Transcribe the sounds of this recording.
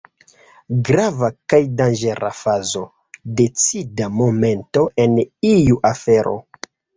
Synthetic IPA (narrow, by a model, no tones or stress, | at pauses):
ɡɾavakajdand͡ʒe̞ɾa̰fazo̞ | de̞t͡sidamo̞me̞nto̞e̞nijuʔafe̞ɾʔo̞̰